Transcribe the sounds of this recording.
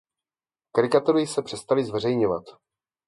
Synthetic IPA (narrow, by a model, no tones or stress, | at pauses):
kaɾɪkat̪uɾɪsɛpr̝̥ɛst̪alɪzvɛr̝ɛjɲovat̪